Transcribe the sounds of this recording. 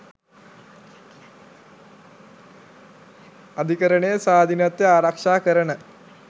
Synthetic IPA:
ɐd̪ʱikɐɾɐɳejɐsaːd̪ʱinɐt̪ːeaːɾɐkʂaːkəɾɐɳə

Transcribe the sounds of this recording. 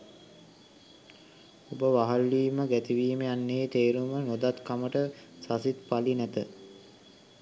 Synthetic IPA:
obəʋaɦalːiːməɡæt̪iʋiːmeanːeit̪eːɾumənod̪at̪kaməʈəsasit̪palinæt̪ə

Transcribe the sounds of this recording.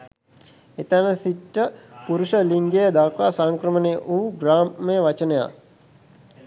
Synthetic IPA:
et̪anəsiʈːəpuɾuʃəliŋɡejəd̪aːkʋasaŋkɾəməneʔuːɡraːmmejəʋat͡ʃənəja̰

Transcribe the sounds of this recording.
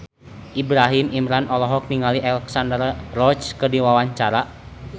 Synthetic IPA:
ʔibɾaɦimimɾanɔlɔɦɔk̚niŋaliʔalɛksandərrɔt͡ʃkɨrdiwawaɲt͡ʃaɾa

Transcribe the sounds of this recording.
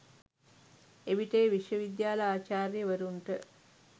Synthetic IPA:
eʋiʈeːʋiʂjəʋid̪jaːləaːt͡ʃaːɾjəʋɐɾuɳʈə

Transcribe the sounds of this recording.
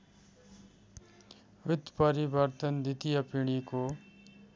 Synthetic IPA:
ʋɪt̪ːpəɾibəɾt̪ənd̪it̪ijəpiɽ̃iko

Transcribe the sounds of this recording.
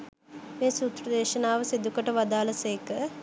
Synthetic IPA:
meːsuːt̪ɾəd̪eːʃənaːʋəsed̪ukəʈəʋad̪aːlɐseːkə

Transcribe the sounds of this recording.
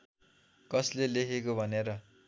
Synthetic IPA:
kʌslelekʰekobʱʌneɾʌ

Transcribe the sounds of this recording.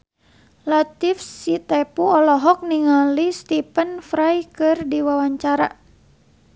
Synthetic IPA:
lat̪ifsit̪ɛpuɔlɔɦɔk̚niŋalist̪ipənfɾajkɨrdiwawaɲt͡ʃaɾa̰

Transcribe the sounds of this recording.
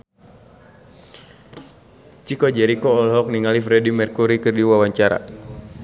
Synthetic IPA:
t͡ʃikɔd͡ʒɛɾikɔːlɦɔk̚niŋalifɾɛdimɛrkuɾikɨrdiwawaɲt͡ʃaɾa̰

